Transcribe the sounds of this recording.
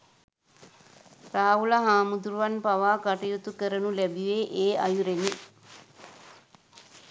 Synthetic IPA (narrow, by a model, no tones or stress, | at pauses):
raːɦulaɦaːmud̪uɾuʋanpaʋaːkaʈijut̪ukəɾənulɛbiʋeʔeːa̰juɾeni